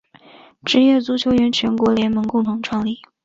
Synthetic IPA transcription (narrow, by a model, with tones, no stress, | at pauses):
ʈ͡ʂɻ̩˧˥ɥɛ˥˩t͡su˧˥t͡ɕʰjo˧˥ʊɥɛ˧˥nt͡ɕʰɥɛ˧˥nkwɔ˧˥ljɛ˧˥nmɤ˧˥ŋkʊ˥˩ŋt̪ʰʊ˧˥ŋʈ͡ʂʰwɑ˥˧ŋli˥˩